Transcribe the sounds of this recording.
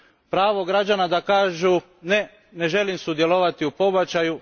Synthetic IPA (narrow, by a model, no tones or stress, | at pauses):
pɾaːʋo̞ɡɾad͡ʑanad̪akaːʒu | ne | ne̞ʒe̞limsud̪jeloʋat̪iupo̞bat͡ʃaju